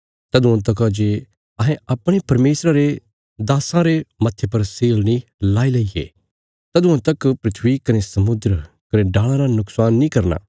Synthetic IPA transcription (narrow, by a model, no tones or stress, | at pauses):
t̪ɐd̪uãt̪ɐkad͡ʒe | ɐɦẽɐpɽ̃epɐɾmeːsɾaɾe | d̪aːsãɾemɐt̪ʰjepɐɾseːlnĩlaːilɐiḛ | t̪ɐd̪uãt̪ɐkpɾɪt̪ʰʋikɐnesɐmʊd̪ɾ | kɐneɖaːɭ̃ãɾanʊksaːnːĩkɐɾna̰ː